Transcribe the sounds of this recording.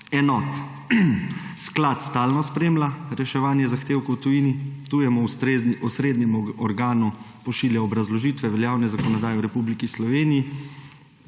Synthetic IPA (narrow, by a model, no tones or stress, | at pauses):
ɛnɔːt̪ | sklaːt̪st̪aːlnɔspɾeːmlaɾɛʃɛʋaːnjɛzaxt̪eːwkɔwt̪ujiːnit̪ujɛmɔɔsɾeːd̪nɛmɔɾɡaːnu | pɔʃiːljaɔbɾazlɔʒiːt̪ʋɛʋɛljaːwnɛzakɔnɔd̪aːjɛwɾɛpublikislɔʋeːnijː